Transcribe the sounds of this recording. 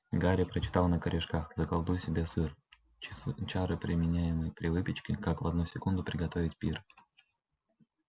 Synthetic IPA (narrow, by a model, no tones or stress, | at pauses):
ɡaɾʲɪpɾət͡ɕɪ̥t̪alˠnəkəɾʲɪʂkaxzəkɐlˠd̪ujsʲɪbʲe̞sɨr | t͡ɕaɾɨpɾʲɪmʲɪnʲæjɪmɨjpɾʲɪvɨpʲɪt͡ɕkʲɪkakvɐd̪nusʲɪkund̪ʊpɾʲɪɡɐt̪o̞vʲɪtʲpʲir